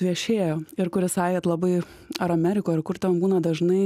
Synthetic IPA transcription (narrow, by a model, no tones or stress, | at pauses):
ʋʲiɛʃʲeːjoːɪɾkʊɾʲɪsɑːjɛt̪lˠɑbɐɪ | ɐɾɐmʲæːɾʲɪkoːɐɾkʊɾt̪ʲɛnbuːnɐd̪ɐʒnɐɪ